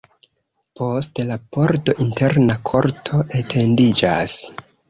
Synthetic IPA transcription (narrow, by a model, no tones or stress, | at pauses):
po̞stlapo̞ɾto̞ʔinte̞ɾnakʰo̞ɾtʰo̞ʔetʰe̞ndid͡ʒas